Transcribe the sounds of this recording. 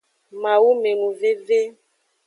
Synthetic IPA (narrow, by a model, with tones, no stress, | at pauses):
mã˨wu˦me˨nũ˨ve˦ve˦